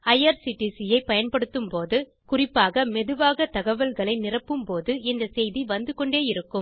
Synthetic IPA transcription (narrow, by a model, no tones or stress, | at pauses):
ɐjɐɾsɪʈːisɪjɐɪpːɐjɐnpɐɽɯt̪ːɯmpoːðɯ | kʊrɪpːaːɣɐmɛðɯʋaːɣɐt̪ɐɣɐʋɐlɣɐɭɐɪnɪrɐpːɯmpoːðɯɪnd̪ɐsɛjðiʋɐnd̪ɯkɔɳɖeːjɪɾɯkːɯm